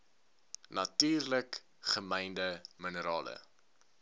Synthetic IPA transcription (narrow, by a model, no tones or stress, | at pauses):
nɐtiːrlək | χəmɛjndəmənəɾɑːlə̰